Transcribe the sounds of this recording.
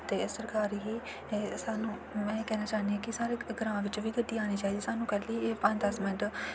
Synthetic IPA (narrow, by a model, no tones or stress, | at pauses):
t̪eːsəɾkaːɾɦiː | saːnũːmɛ̃ːkɛːnaːt͡ʃaːnd̪iãːkɪsaːɾeːɡɾãːʋɪt͡ʃʋiːɡəɖːiːaːñiːt͡ʃaːiːd̪iːsaːnũːkɛliːpə̃nd̪asmɪ̃ɳʈ